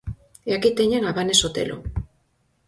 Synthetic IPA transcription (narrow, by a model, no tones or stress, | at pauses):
eakit̪eɲanaβanesot̪ḛlo̰